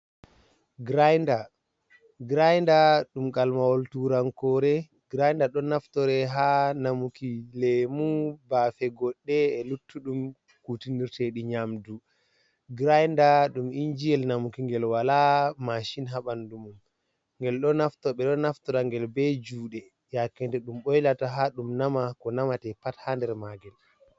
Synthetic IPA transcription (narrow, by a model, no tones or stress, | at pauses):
ɡɾajnda | ɡɾajndaɗumɡalmawɔltuɾaŋkɔɾɛ | ɡɾajndaɗɔnaftɔɾɛɦanamukilɛmubaːfɛɡɔɗːɛːlutːuɗum | kutiniɾteɗiɲamdu | ɡɾajndaɗumiɲd͡ʒijɛlnamukiŋɡɛlwalamaʃinɦaɓandumum | ŋɡɛlɗɔnaftɔɓɛɗɔnaftɔɾaŋɡɛlbɛd͡ʒuːɗɛ | jakːɛntɛɗumɓɔjlataɦaɗumnamakɔnamatɛpathandɛɾmaɡɛl